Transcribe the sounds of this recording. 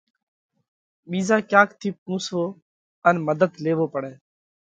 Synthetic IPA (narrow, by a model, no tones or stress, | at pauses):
ɓiːzaːkjaːkt̪ʰiːp̚kũːsʋoː | ənməd̪əd̪leːʋoːpəɽɛː